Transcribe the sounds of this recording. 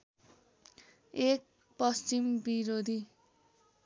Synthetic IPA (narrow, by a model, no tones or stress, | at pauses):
ek̚ | pʌst͡simbiɾod̪ʱi